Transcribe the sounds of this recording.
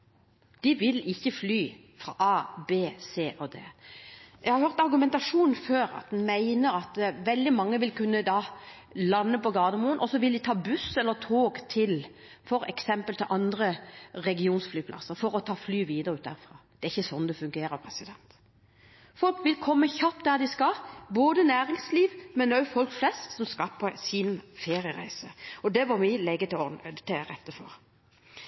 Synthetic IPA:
d̪̥ɪʋɪlɪçːəflyː | fɾɑ̰ːʔɑːbeːseːʔɔd̪eːjɛ̰ɡhɑɾhøːʁt̪ɑɾɡʉmɛnt̪ɑʂuːnn̩føːɾɑ̰t̪̚d̪ɛnmæɪnəɾɑt̪ʋɛld̪ɪmɑŋːəʋɪlkʉnːəd̪ɑ | lɑnːəpɔɡɑːʁd̪əmuːənʔɔsɔʋɪld̪ɪt̪ʰɑːbʉsɛlːət̪ʰoːɡt̪ʰɪl | fɔɾɛ̰ksɛmpəlt̪ʰɪlʔɑnd̪ɾəʁɛɡɪuːnsflyːpʰlʔɑ̰sːəɾfɔɾɔt̪ʰɑːflyːʋiːd̪əɾʉːt̪d̪æɾfʁɑːd̪̥ɛæɾɪçːəsɔnd̪ɛfʉŋɡeːɾəɾpʰɾɛsɪd̪ɛnt̪ | fɔlkʋɪlkʰɔmːəçɑpːd̪æʁd̪ɪskɑboːd̪ənæːɾɪŋsliːʋmɛnœʊfɔlkflɛst̪sɔmskɑpʰɔsɪnfeːɾɪəɾæ̰ɪsəɔd̪ɛʋɑɾmɪlɛɡət̪ɪɔt̪ɛɾɛt̪ːəfɔɾ

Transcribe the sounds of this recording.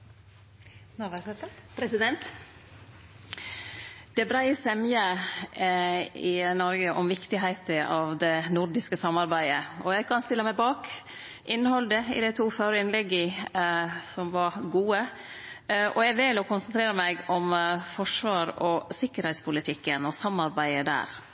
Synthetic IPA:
pʰɾɛsɪd̪ɛnt̪ | d̪̥ɛbɾæɪsɛmjə | ɪnɔɾɡəʔɔmʋɪkt̪ɪɦæɪt̪əʔɑʋd̪ɛnʊɾɖ̪ɪskəsɑmːɑɾbæɪd̪əɔjæɡkʰɑnst̪ɪlːəmæɪbɑːk | ʔɪnːəhɔld̪əɪ̰d̪æɪt̪ʰuːføːɾəɪnlɛɡːə | sɔmʋɑɾɡuːə | ʔɔjæɡʋɪlɔkʊnsənt̪ʰɾeːɾəmæɪɡɔmfɔʂʋɑːɾɔsɪkːəɾhæɪt̪spʰʊlɪt̪ʰɪkːənɔsɑmːɑɾbæɪəd̪æ̰ːɾ

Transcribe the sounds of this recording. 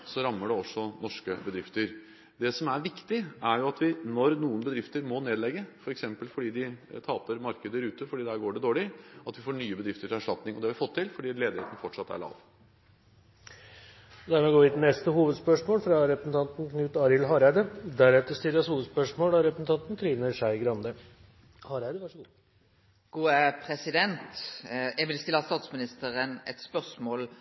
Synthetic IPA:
sɔɾɑmːəɖɛɔsːɔnɔʂkəbəd̪ɾɪft̪əɾ | d̪ɛsɔmæɾʋɪkt̪ɪæɾjʊɑt̪ʋɪnɔɾnuːənbəd̪ɾɪft̪əɾmɔneːd̪lɛɡːəfɔɾɛksɛmpəlfɔɖiːd̪ɪt̪ʰɑːpəɾmɑɾkəd̪əɾʉːt̪əfɔɖiːd̪ɛæɾɡoːɖɛd̪oːɭɪɑt̪ʋɪfoːɳyːəbəd̪ɾɪft̪əʈʰɪlæʂʈɑt̪nɪŋɔd̪ɛhɑʋɪfɔt̪ʰːɪlfɔɖiːleːd̪ɪheːt̪ən̩fɔʈʂɑt̪ːæ̰ɭɑ̰ːʋ | d̪ɛæɳəɡoːʋɪt̪nɛst̪əhuːʋəd̪spœʂmoːlfɾɑɾɛpɾəsn̩t̪ʰɑnt̪n̩knʉːt̪ɑɾɪlɦɑːɾæɪd̪əd̪æɾɛt̪əɾst̪ɪlːəshuːʋəd̪spœʂmoːlɑɾɛpɾsn̩t̪ʰɑnt̪n̩t̪ʰɾiːʋnəʂæɪɡɾɑnd̪ə | hɑːɾæɪd̪əʋɑʂɔɡ | ɡ̥uːəpʰɾɛsɪd̪ɛnt̪jɛɡʋɪlst̪ɪlːɑst̪ɑːt̪smɪnɪst̪əʁənɛ̰t̪spœʁsmoːl

